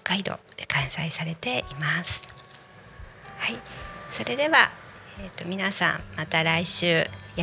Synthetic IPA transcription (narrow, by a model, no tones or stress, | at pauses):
kːaid̪o̞̰ekʰãɰ̃saisaɾe̞t̪e̞ʔimasɨ̥ | haiso̞ɾe̞d̪e̞βa | et̪ːo̞mʲinasã̰mmat̪aɾaiɕɨːja